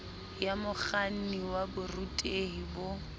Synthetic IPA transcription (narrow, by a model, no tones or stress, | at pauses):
jamʊk͡xan̩niwabʊrutʼeɦibo